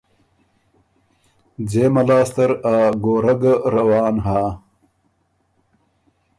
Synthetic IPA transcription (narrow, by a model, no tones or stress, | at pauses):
d͡zeːmɐlaːst̪ɐɾaːɡoːɾɐɡɾɐwɑːnɦaː